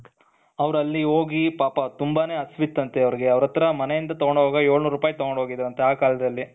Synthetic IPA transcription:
ɐʋɾɐlːiɦoːɡipaːpɐt̪umbaːneːɐsʋit̪ːɐnt̪eɐʋɾiɡe̞ɐʋɾɐt̪ːɾɐmɐnejind̪ɐt̪ɔɡɔɳɖɦoːɡɐjoːɭnuːɾuːpaːjit̪ɔɡɔɳɖɦoːɡid̪ɐɾɐnt̪eaːkaːlɐd̪ɐlːi

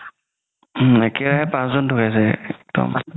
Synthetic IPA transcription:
ɛkɛɹaɦɛpãszɔntʰukajs̬ɛɛk̚d̥ɔ̰m

